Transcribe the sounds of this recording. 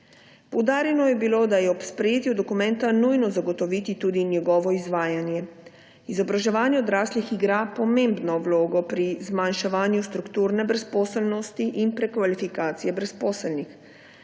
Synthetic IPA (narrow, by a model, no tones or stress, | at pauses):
powd̪aːɾjɛnɔjɛbilod̪ajɛɔpspɾɛjeːt̪jud̪ɔkumɛnt̪anujnɔzaɡot̪ɔʋit̪it̪uːd̪injɛɡɔːʋɔizʋaːjanjɛ | izɔbɾaʒɛʋaːnjɛɔd̪ɾaːslixiɡɾapɔmẽːmbnɔwloːɡɔpɾizmanʃɛʋaːnjust̪ɾukt̪uːɾnɛbɾɛspɔːsɛlnɔst̪iʔinpɾɛkʋalifikaːt̪sijɛbɾɛspɔːsɛlnix